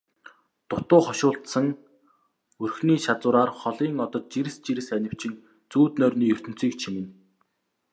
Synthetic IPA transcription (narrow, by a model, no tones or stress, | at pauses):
t̪ʊt̪ʊːχɔʃʊːɬt̪sə̆ŋ | ɵrxniːʃat͡sʊːɾaːrχɔɮiːŋɔt̪ɞ̆t̪̚t͡ɕiɾɘ̆st͡ɕiɾɘ̆sænʲɪ̆w̥t͡ɕɪ̆ŋ | t͡suːt̪nœːrniːɵr̥t̪ɵ̆n̥t͡siːk̚t͡ɕʰimɘ̆n